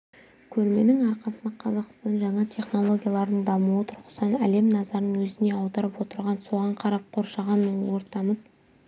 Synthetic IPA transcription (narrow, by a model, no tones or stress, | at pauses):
kʲʰɵlme̞nɪŋɑɾqɑsənd̪ɑqʰɑzɑq̪sɑnʒɑɴɑt̪ʰʲe̞χno̞lˠo̞ɡʲijalˠɑɾd̪əɴd̪ɑmuwət̪ʰʊɾqə̥sɑnæle̞mnɑzɑɾnəŋwɵzɪne̞ɑwd̪ɑɾəpwo̞t̪əɾʁɑnso̞ʁɑɴqʰɑɾɑp̚qʰo̞ɾʃɑʁɑnːəɴwo̞ɾt̪ɑməz